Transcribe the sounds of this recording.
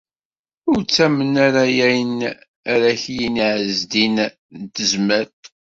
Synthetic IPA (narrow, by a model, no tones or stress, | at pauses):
ʊɾt͡sːæmənaɾajæjən | æɾæçjiniʕəzd̪in | t̪əzməɾt̪